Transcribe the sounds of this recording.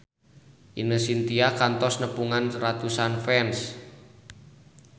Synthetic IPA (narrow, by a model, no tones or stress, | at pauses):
ʔinəsint̪iakant̪ɔsnəpuŋanrat̪usanfɛns